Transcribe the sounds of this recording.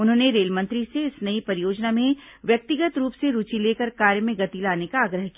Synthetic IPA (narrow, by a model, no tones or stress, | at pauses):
ʊnɦõːneɾeːlmɐ̃nt̪ɾiseɪsnɐipɐɾɪjoːd͡ʒnamẽʋjɐk̚t̪ɪɡət̪ɾuːpseɾuːt͡ʃileːkəɾkaːɾjəmẽɡɐt̪ilaːnekaːɡɾəɦkiaː